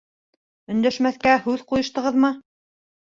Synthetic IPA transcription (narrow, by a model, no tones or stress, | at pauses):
ɵ̆nd̪æʃmæθkæhʉðqujɤ̆ʃt̪ɤ̆ʁɤðmɤ